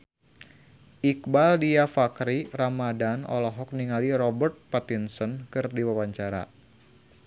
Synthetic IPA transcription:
ʔik̚baldiafakɾiramadanɔ̰lɔɦɔk̚niŋaliɾɔbərt̪̚pat̪insɔnkɨrdiwawaɲt͡ʃaɾa̰

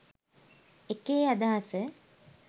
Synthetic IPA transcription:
ekeːad̪aːɐsə

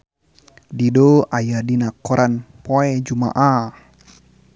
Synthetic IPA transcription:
didoajadinakɔɾʔanpoɛd͡ʒuma̰ʔa

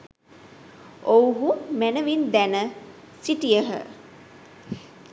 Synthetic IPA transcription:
owɦumænəʋind̪ænə | siʈijəɦə̰

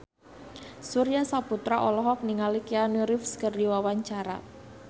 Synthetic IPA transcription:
suɾijasaput̪ɾaʔɔlɔɦɔk̚niŋalikianuɾɪfskərdiwawaɲt͡ʃaɾa̰

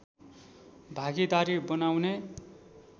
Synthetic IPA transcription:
bʱaɡid̪aɾibʌnawne

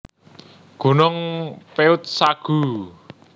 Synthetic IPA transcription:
ɡ̥o̤nɔŋpeʊt̪̚saɡ̥u

